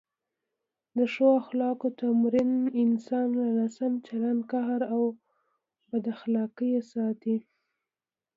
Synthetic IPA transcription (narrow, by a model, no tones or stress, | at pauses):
d̪əʃoaxlɑkot̪amɾɪnɪnsɑnlalɑsamt͡ʃalankaɦaɾaw | bad̪axlɑkəjesɑt̪i